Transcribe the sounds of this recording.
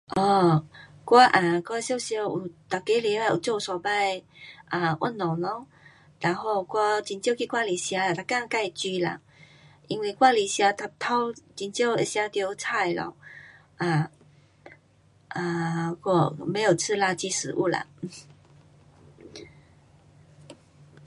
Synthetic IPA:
ʔɔ˧˩kwa˧ʔa˨˩kwa˥˧ɕjo˥˧ɕjo˧˩u˨˩t̪a˨kːe˧˦le˧˦la˧˩ʔṵ˨˩t͡so˥˧˨sɔ˨˩ba˥˧jʔa˨˩ʔwʔa̰˥˧˨nːɔ̃˨˩ŋlɔ˧˦ | la˨˧˦ŋho˥˧ʊkwa˦˧t͡ɕi˧nt͡ɕjo˥˧ki˥˧kwa˥˧li˨˩ɕja˧a˨˩t̪ʰa˨˩ka˥˧ŋka˥˧˨jt͡ɕi˧la̰˨ | ʔi˧ŋwe˥˧˨kwa˥˧li˨˩ɕja˧t̪ʰa˧˩t̪ʰa˦t͡ɕi˧nt͡ɕjo˥˧ʊe˧ɕja˧t̪jo˧t͡sʰa˥˧˩jlɔ̰˧˦ | ʔa˨˩ | ʔa˨kɔ˥˧˩mẽ˨˧˦o˨˩t͡sʰɨ˥˧la˧t͡ɕi˧sɹ̩˨˦ʔṵ˥˧la̰˨

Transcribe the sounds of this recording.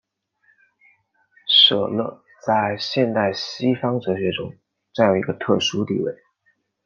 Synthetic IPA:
ʂɤ˨˩lɤ˥˩ | t͡sa˥˧ɪɕjɛ˥˧nt̪a˥˩ɪɕi˥fɑ˥ŋʈ͡ʂɤ˧˥ɕɥɛ˧˥ʈ͡ʂʊ̰˥ŋ | ʈ͡ʂa˥˩njo˨˩ʊi˧˥ɡə˧t̪ʰɤ̰˥˩ʂu˥t̪ḭ˥˧wḛ˥˩ɪ

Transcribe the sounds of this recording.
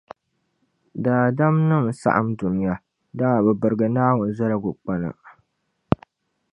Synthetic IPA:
daː˨da˦mnɨ˦ŋ˨sa̰˦ʔa˦mdu˨n˦ja˦ | da˦ŋa˨bɨ˨bɨ˨ɾɡa˨naː˦hʊ˨n˦za˦ɾa˨ɡʊ˨k͡pa˦na̰˨

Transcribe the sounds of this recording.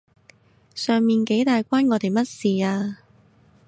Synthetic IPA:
sœː˨˩ŋmiː˨nke˨˥jt̪aː˨jkʷaː˥nŋɔː˨˧t̪e˨jmɐ˥t̚siː˨aː˧

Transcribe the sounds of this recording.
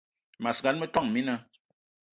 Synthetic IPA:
ma˨sɡa˦nme˦t̪a˦˨ŋmi˦na˦

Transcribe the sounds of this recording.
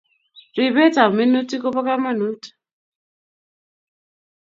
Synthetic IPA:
ɾi˨βɛ˦ta˨mi˦no˦ti˦kɔ˦pa˦ka˦ma˦nu˦tḁ˨

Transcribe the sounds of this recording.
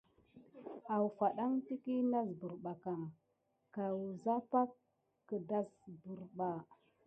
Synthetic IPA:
a˨wfa˨ɗa˦ŋti˦ki˦na˦zbu˨ɾɓa˨ka˨ | ka˨wu˨za˦pa˦kː | ə˨da˦sbu˨ɾɓa˨

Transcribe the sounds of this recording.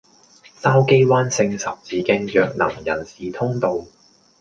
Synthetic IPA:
t̪aː˥wke˥jwaː˥nsɪ˧ŋsɐ˨p̚t͡siː˨˥kɪ˧ŋjœː˨k̚nɐ̰˨˩ŋjɐ̰˨˩nsiː˨t̪ʰʊ˥ŋt̪o˨˧w

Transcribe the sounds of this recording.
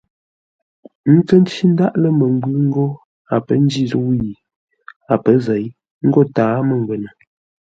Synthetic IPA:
n̩˦t͡sə˦n˦t͡ʃi˦n̩˦da˦ʔlə˦mə˨ŋ˦ɡʉ˦ŋ̩˦ɡo˦ | a˨pə˦n˦d͡ʒi˦˨zə˦wji˨ | a˨pə˦zɛ˨˦j | ŋ̩˦ɡo˦taː˨˦mə˨ŋ˨ɡwə˨nə˨

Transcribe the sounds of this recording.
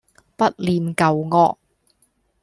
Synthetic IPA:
pɐ˥t̚liː˨˧nkɐ˨wŋɔː˧k̚

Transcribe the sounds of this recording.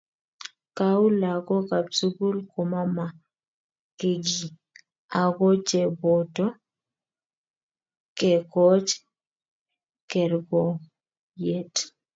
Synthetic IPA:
ka˦u˦la˨ɡɔ˦ka˨psu˦ɡu˦lko˨ma˦ma˨ | ke˦ɡi˨ | a˨ɡɔ˦t͡ʃɛ˨bɔ˨tɔ˦ | kɛ˨kɔ˦t͡ʃ | kɛ˨ɾɡɔ˨ | je˦t

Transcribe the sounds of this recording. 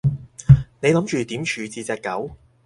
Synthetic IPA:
ne˨˧jlɐ˨˥mt͡ʃyː˨t̪iː˨˥mt͡ʃʰyː˨˧t͡siː˧t͡sɛː˨˧kːɐ̰˨˥w

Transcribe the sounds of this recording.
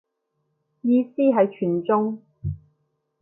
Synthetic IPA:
jiː˧siː˥ɦɐ˨jt͡ʃʰyː˨˩nt͡sʊ˥ŋ

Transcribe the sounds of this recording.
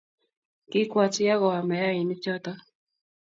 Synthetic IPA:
kɪ˦kwa˦˨t͡ʃja˦ɣɔ˨a˨mɛ˨ja˦ɪ˨nɪ˦t͡ʃɔ˦t̪ɔ˦

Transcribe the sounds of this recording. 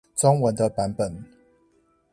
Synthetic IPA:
t͡sɔ˦ŋwə˨˦nd̪ə˧pa˨˦npə˨˩n

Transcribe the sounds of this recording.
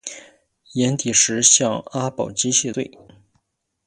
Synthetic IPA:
jɛ˧˥nt̪i˨˩ʂɻ̩˧˥ɕjɑ˥˧ŋa˥pɑ˨˩ʊt͡ɕi˥ɕɛ˥˧we˥˩ɪ

